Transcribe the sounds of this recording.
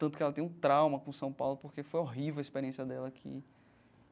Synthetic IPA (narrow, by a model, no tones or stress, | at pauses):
t̪ɐ̃t̪ʊkɪɛlɐt̪ẽũt̪ɾawmɐkõsɐ̃w̃pawlʊpoɾkefojɔɦivewɐispeɾiẽsjɐd̪ɛlɐkʰɪ̰